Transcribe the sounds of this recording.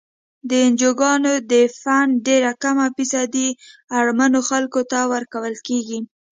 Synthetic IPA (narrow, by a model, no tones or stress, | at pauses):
d̪əɪnd͡ʒoɡɑnod̪əfanɖeɾakamapisɑd̪iaɽmanoxalkot̪awəɾkawəlkeɡi